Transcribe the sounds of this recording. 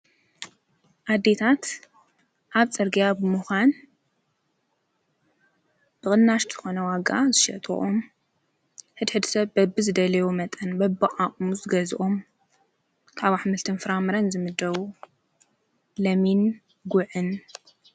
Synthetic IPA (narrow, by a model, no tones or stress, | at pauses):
ʔad̪ːet̪ʰat̪ | ʔaβt͡sʼɐɾɡijabɨmuxʷan | b̥ɨkʼɨnːaʃt̪z̥ɨxo̞nɐwaɡa̰zɨʃɐ̰t̪ʼo̰ʔom | ħɨd̪ħɨd̪sɐβbɐbːɨzɨd̪ɐlɐjumɐt̪ʼɐnbɐbːɨʔʼaχʼmuzɨɡɐzʔom | kʰaβaħmɨlt̪ʰɨnfɨɾamɨɾɐnzɨmɨd̪ɐβu | lɐmin | ɡʊʕɨn